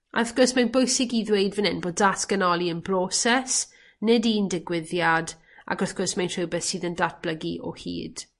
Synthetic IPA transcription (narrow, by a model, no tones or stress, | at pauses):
arθɡ̥ɔrsmanbojsɪɡiðwejdvənɪnboːdatɡ̥ənɔlˠiənbroːsɛs | nɪdindɪɡwɪðjad | a̰ɡɔθɡ̥ɔrsmantʰr̥əwbɛθsiːðəndat̚b̥ləɡiʔɔ̰hḭːd̥